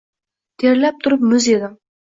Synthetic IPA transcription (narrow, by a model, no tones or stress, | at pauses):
t̪ʰeɾlæp̚t̪ʰʊɾɨp̚mʊzed̪ɪŋ